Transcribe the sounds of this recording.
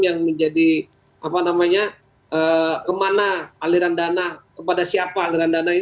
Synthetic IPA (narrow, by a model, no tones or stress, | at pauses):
jaŋməɲd͡ʒadi | apanamaɲa | ʔəkəmanaːliɾandanakəpadasiapaːliɾandanai